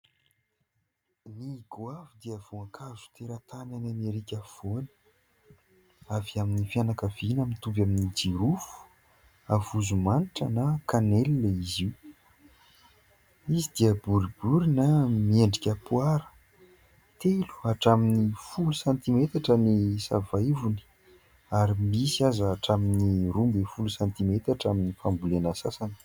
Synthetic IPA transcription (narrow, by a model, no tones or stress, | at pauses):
niɡwavud̪iəv̥uakʰazu̥t̪eɾat̪ananameɾikʲav̥onə̥ | aviaminifjanakavinamit̪uvjaminid͡ʒiɾufu̥ | avuzumaniʈ͡ʂənakanelilaiziw | izid̪̥iəbuɾibuɾinamieɳɖ͡ʐikʲəpuaɾə̥ | t̪elu̥aʈ͡ʂaminifulusant̪imet̪aʈ͡ʂənisa̰vajvuni̥ | aɾimisazaːʈ͡ʂaminiɾumbefulusant̪imet̪aʈ͡ʂaminifambulenasasani̥